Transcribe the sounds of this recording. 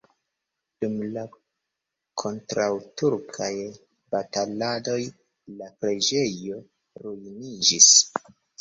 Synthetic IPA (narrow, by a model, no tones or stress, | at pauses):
d̥umla | kʰo̞ntɾawtuɾkʰaj | batalado̞j | lapɾe̞d͡ʒe̞jo̞ | ɾujnid͡ʒis